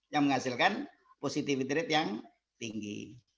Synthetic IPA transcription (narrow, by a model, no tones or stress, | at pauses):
jaŋməŋasɪlkan | posit̪ifid̪ɾɪt̪jaŋ | t̪iŋɡḭ